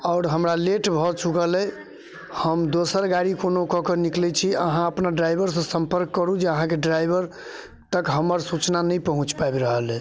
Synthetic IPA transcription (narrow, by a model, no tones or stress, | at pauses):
ɔʊɾɦəmɾaleʈbʱɔt͡ʃukəlɛ | həmd̪osəɾɡaɾikonokɔkəniklɛt͡ʃʰiə̰ɦãəpnaɖɾajbʱəɾs̬ə̃sə̃mpəɾkːəɾud͡ʒeəɦãkeɖɾajbʱəɾ | t̪əkɦəməɾsut͡ʃnanəjpəɦũt͡ʃpabɾəɦəlɛ